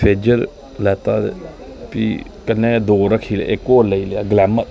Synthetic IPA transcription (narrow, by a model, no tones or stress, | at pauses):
pʰeːd͡ʒəɾ | lɛːt̪a̰ː | piː | kənːeːd̪oːɾəkʰiːl̰ːɪkoːləileaːɡlɛːmə